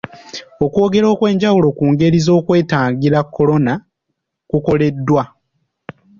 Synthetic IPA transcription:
o̞kwo̞ːɡe̞ɾo̞ːkwe̞ːɲɟawulo̞kuːŋɡe̞ɾizo̞ːkwe̞ːtaːŋɡiɾakːo̞lo̞na | kuko̞le̞dːwa

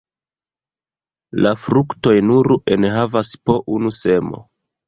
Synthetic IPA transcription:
lafɾukto̞jnuɾenɦavaspo̞ʔunuse̞mo̞̰

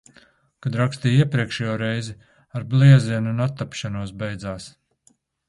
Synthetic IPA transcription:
kad̪ɾakst̪iːiɛpɾiɛkʃɛjoːɾɛjzi | aɾblˠiɛziɛnunat̪ːapʃanuɔs̬bɛjd̪zaːs

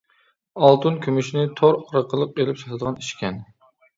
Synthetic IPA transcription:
ɑlˠt̪ʰunkʲʰømyʃnɪt̪ʰoɾɾəqʰəlˠəq̚elɪpʃʰɑt̪ʰɨd̪əʁɑniʃkʲʰɛn

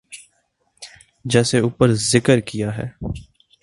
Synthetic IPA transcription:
d͡ʒɛːseuːpəɾzɪkəɾkijaɦɛ̰ː

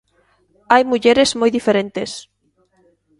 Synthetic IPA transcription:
ajmuʎeɾez̥mojðifeɾẽnt̪es

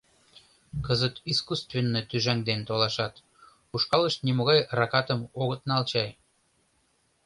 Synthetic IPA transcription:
kəzət̪iskust̪venːet̪yʒæŋd̪ent̪olɑʃɑt̪ | uʃkɑləʃt̪nimoɣɑjrɑkɑt̪əmoɣət̪nɑlt͡ɕɑj

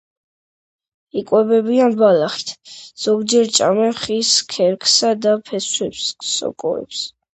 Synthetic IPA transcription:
ikʼwɛbɛbianbalaχt̪ʰz̥ɔɡd͡ʒɛɾt͡ʃʼamɛχiskʰɛɾkʰsad̪apʰɛswɛpsːɔ̰kʼɔ̰ɛ̰ps

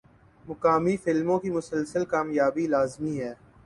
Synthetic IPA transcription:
mʊkaːmifɪlmõkimʊsəlsəlkaːmjaːbilaːzmiɦɛː

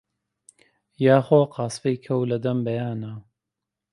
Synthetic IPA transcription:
jaːxoːqʰɑːsfejkʰɐwlɐd̪ɐmbɐjaːnɐ

